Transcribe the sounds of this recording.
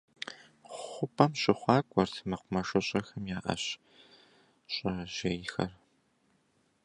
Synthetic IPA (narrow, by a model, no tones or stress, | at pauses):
ʊpʰʼɐmɕʼɪχʷɑːkʷʼɔrtʰmɐqʷʊmɐʂʼɐɕʼɐxɐmjaːʔɐ̰ɕ | ɕʼɐʒ̥ɐjxɐr